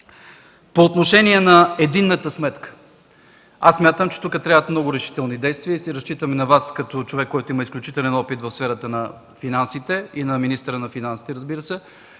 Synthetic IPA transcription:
poːt̪noʃɛniɛnɐɛd̪inːət̪əsmɛt̪kə̥ | asːmʲjat̪əmt͡ʃɛ̥t̪ukət̪ɾʲavət̪mnɔɡʊɾɛʃi̥t̪ɛlˠnid̪ɛjst̪viəisiɾɐst͡ʃit̪əminɐvaskɐt̪ɔt͡ʃovɛkːɔjt̪oʊiməisklʲut͡ʃit̪ɛlɛnɔpit̪vɐfsfɛɾət̪ənɐ | finansit̪ɛinɐminist̪əɾənɐfinansi̥t̪ɛɾəzbiɾəsɛ

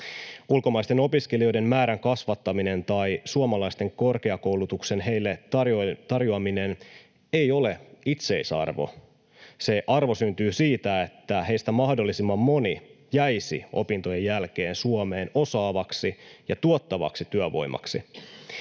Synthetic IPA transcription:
ulko̞mɑjst̪e̞no̞piskelio̞jde̞mmæːɾæŋkɑsʋɑt̪ːɑmine̞nt̪ɑjsuomɑlɑjst̪e̞ŋko̞rke̞ɑko̞wlut̪ukse̞nɦe̞jlːe̞ɑt̪ɑrjoɑmine̞n | e̞jo̞le̞it̪se̞isɑ̰rʋo̰ | se̞ʔɑrʋo̞synt̪yːsiːt̪æet̪ːæɦe̞jst̪æmɑhdo̞lːisimːɑmːo̞ni | jæjsḭʔo̞̰pint̪oje̞jːælk̟e̞ːnsuome̞ːno̞sɑːʋɑksijɑt̪uot̪ːɑʋɑ̰ksit̪yøʋo̞̰jmʔɑ̰ksḭ

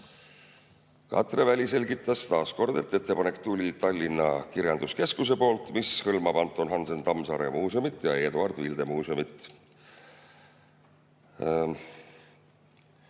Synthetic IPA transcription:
kɑ̰t̪re̞vælʲise̞lʲɡit̪ːˑɑst̪ɑːsko̞rd̪̥e̞̰t̪ːˑe̞t̪ːe̞pɑne̞kːt̪ulʲit̪ɑlʲːinːɑkiɾjɑnd̪̥uske̞skuse̞po̞ːlt̪ˑmishɤlmɑpɑnt̪ːˑo̞nɦɑnse̞nt̪ɑmsɑɾe̞̰muːseomit̪ːˑjɑe̞ːd̪uɑrd̪̥vild̪̥e̞muːseomit̪ˑ

